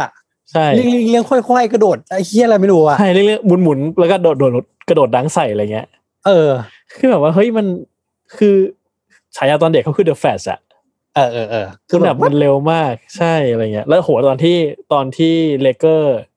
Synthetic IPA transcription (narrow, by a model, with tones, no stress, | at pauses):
a˨˩ | t͡ɕʰa˥˩jli˥ə˨ŋli˧˥˩ŋli˥əŋkʰɔ˥˩jkʰɔ˥˩jkɾa˧doː˨˩t̪̚a˧˩kʰi˧˥˩la˧jma˥˩jduː˧a˨˩a˥˩jli˥˩əŋlɯ˥əŋmu˨˩˦nmu˩˦nlɛ˦˥kɔː˥˩doː˨˩t̪̚oː˨˩o˨˩t̪̚ka˧doː˨˩laː˨˦˥ŋsa˨˩jʔaː˨˧˨ŋːi˦ɐ | ʔɤː˧ | kʰɯː˧bɛː˨˩p̚waː˥˩ɦɤ˦˥jma˧n | kʰɯː˧ | t͡ɕʰaː˩˦jʔaː˧t̪ɔː˧nde˨˩kʰːa˦˥wkʰɯː˧dɤː˧˩fʰɛː˨˩sʔa̰˨˩ʔ | ʔɤː˧ʔɤː˧˩ʔɤː˧ku˧nda˨˩pmma˧nle˧wmaː˥˩k̚t͡ɕʰa˥˩jʔa˧ɾa˧jŋi˦˥ɐʔlɛː˦˥hoː˨˩˦lt̪ɔː˧nt̪ʰiː˥˩t̪ɔː˧nt̪ʰiː˥˩leː˧kɤː˥˩